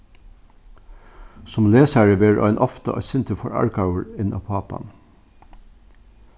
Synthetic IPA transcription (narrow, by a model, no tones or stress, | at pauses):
sɔmleːsæɹəʋeːɾʔɑ̰ɪnʔɔft̪ə̰ʔɑ̰ɪsɪnt̪əfɔɹɑ̰ɹkɑʊəɹɪnʔɑ̰ːpʰɑːpɑ̰n